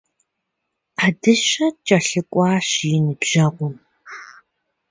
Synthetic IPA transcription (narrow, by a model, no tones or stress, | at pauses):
adɨɕɐt͡ʃʼɐɬɨkʷʼɑːɕjɪnɨbʒ̥ɐʁʷɔm